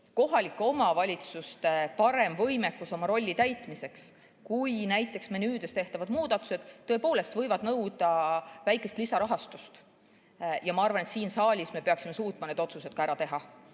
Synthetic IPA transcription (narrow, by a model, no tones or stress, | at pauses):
koɦɑlikːˑo̞mɑvɑlʲit̪sust̪e̞pɑɾe̞mvɤjmekːˑuso̞mɑɾo̞lʲːit̪æjt̪mise̞ks | kujnæjt̪ːˑe̞ksmenyːd̪̥øst̪e̞ht̪ɑvɑd̪̥muːd̪̥ɑt̪ːˑu̥se̞d̪̥ːɤ̞epoːle̞st̪vɤjvɑd̪̥nɤwd̪̥ɑvæjkːˑe̞st̪lisɑɾɑɦɑst̪ust̪ | jɑmɑɑrvɑne̞t̪siːnsɑːlʲisme̞peɑksime̞suːt̪mɑne̞d̪o̞t̪suse̞d̪̥kɑæɾɑt̪e̞ɦɑ